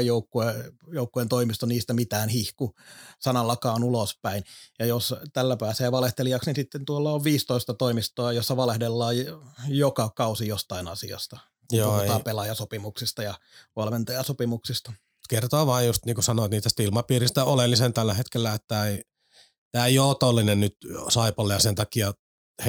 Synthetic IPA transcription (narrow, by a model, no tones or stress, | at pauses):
joukːuejoukːuent̪oimist̪oniːst̪æmit̪æːnhihkusɑnɑlːɑkɑːnulospæinjɑjost̪ælːæpæːseːʋɑleht̪eliɑksninsit̪ːent̪uolːɑoʋʋiːst̪oist̪ɑt̪oimist̪oɑjosːɑʋɑlehdelːɑːjjokɑkɑusijost̪ɑinɑ̰sḭɑ̰st̪ɑ | ot̪ɑːpelɑjɑsopimuksist̪ɑjɑʋɑlment̪ɑjɑsopimuksist̪ɑ̥ | kert̪oːʋɑːjjust̪niːŋkusɑnoːt̪niːst̪æst̪ilmɑpiːrist̪æolelːisent̪ælːæhet̪kelːæet̪t̪ːæei | t̪æːeioːt̪olːinennyt̪sɑipɑlːejɑsent̪ɑkiɑ | he